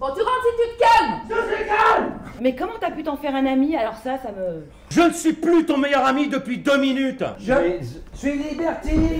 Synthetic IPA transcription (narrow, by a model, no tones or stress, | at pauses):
bɔ̃t̪yʁɑ̃t̪it̪yd̪kamɡalmɛkɔmɑ̃t̪yapyt̪ɑ̃fɛʁɛ̃namialɔʁsasamə | ʒənəsɥiplyt̪ɔ̃mejœʁamid̪əpɥid̪øminyt̪ʒəsɥilibɛʁt̪i